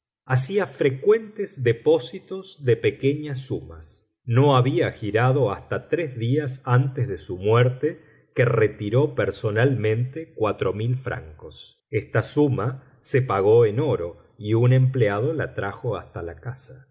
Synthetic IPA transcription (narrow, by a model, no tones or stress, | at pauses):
asiafɾe̞kwe̞nt̪ezðepo̞sit̪ozðepekeɲasːumas | no̞aβiaxiɾaðo̞ast̪at̪ɾezðiasant̪ezðesumweɾt̪e | keret̪iɾo̞peɾso̞nalmẽ̞nt̪ekwat̪ɾo̞milfɾʔa̰ŋkos | est̪asuma | sepaɣo̞eno̞ɾo̞ | iunẽmpleað̞o̞la̰t̪ɾaxo̞ast̪alakasa